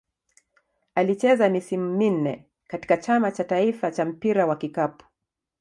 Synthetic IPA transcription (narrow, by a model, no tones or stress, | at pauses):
alit͡ʃɛzamisimumin̩nɛ | kati̥kat͡ʃamat͡ʃataifat͡ʃam̩piɾawakikapu̥